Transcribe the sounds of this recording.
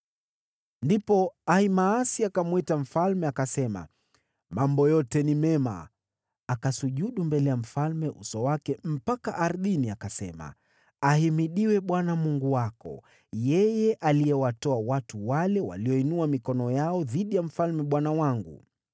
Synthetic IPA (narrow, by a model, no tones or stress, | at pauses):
ndipɔaimaːsiakamwitam̩falmɛakasɛma̰ | mambɔjɔtɛnimɛma̰ | akasuʄuɗumbɛlɛjam̩falmɛʔṵsɔwakɛm̩pakaʔaɾðiniakasɛ̰ma̰ | ahimiɗiwɛɓwanamuŋɡuwakɔ̰ | jɛjɛʔalijɛwatɔawatuwalɛwa̰liɔinuamikɔnɔjaɔðiɗijam̩falmɛɓwanawaŋɡṵ